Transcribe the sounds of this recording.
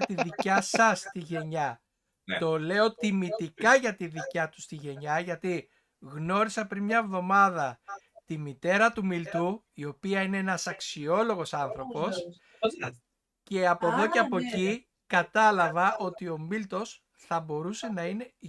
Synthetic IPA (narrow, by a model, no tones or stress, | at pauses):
t̪iðicɐsɐst̪iʝe̞ɲɐ | t̪o̞le̞o̞t̪imit̪ikɐʝɐt̪iðicɐt̪u̥st̪iʝe̞ɲɐʝɐt̪i | ɣno̞ɾisɐpɾinmɲɐevðo̞mɐðɐ | t̪imit̪e̞ɾɐt̪umilt̪u | io̞piɐine̞enɐsɐksio̞lo̞ɣo̞sɐnθɾo̞po̞s | ce̞ɐpo̞ðo̞ceɐpo̞ci | kɐt̪ɐlɐvɐʔo̞t̪io̞milt̪o̞s | θɐbo̞ɾuse̞nɐine̞